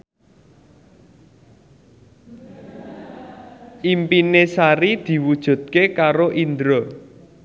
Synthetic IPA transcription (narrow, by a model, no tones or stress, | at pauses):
ʔimpinesaɾid̪̥i̤wud̥ʒ̥ṳt̪̚kekaɾoʔind̪ɾo